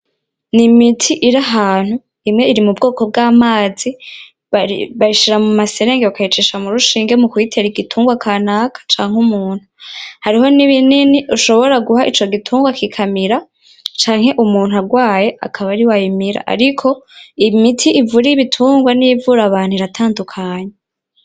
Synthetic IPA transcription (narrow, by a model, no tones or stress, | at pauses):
nimitʰiʔiɾaɦaːn̥hu | imŋe̞iɾimubɡoːko̞b̚ɡaːmaːzi | βaiʃiɾamumase̞ɾeŋɡewakait͡ʃiʃamuɾuʃiːŋɡe̞mukwiːtʰeɾiɡitʰuːŋɡwakʰaːnakʰḁt͡ʃaːŋ̥umuːn̥huhaɾiɦo̞niβininiʔuʃo̞βo̞ɾaɡuɦaʔit͡ʃo̞ɡitʰuːŋɡwakikʰamiɾa | t͡ʃaːŋ̥he̞ʔumuːn̥ɦaɡwaːje̞ʔa̰kʰaβaɾiwajimiɾa̰ʔa̰ɾikʰo̞imitʰiʔivuɾijiβitʰuːŋɡwanivuɾaβaːn̥huiɾatʰaːndukʰaːɲe